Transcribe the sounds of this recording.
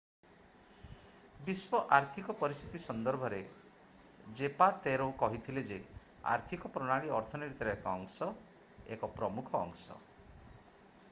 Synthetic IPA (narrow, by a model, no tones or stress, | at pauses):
biswɔʔaɾt̪ʰikɔpɔɾist̪ʰit̪isɔnd̪ɔɾbʱɔɾe | d͡ʒepat̪eɾokɔɦit̪ʰiled͡ʒe | a̰ɾt̪ʰikɔpɾɔɽ̃aɭiɔɾt̪ʰɔneɾit̪ɔɾeekɔːŋsɔ | ekɔpɾɔmukʰɔ̰ːŋsɔ̰